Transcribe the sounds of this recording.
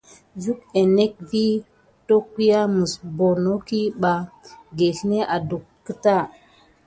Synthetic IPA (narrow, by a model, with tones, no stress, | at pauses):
d͡ʒu˦ke˨ne˦k̚vi˦ | to˦ki˦ja˦mə˨sbo˨no˦ki˦ɓa˨ɡe˨hi˦ne˦ʔa˨du˨kːə˦ta˦˨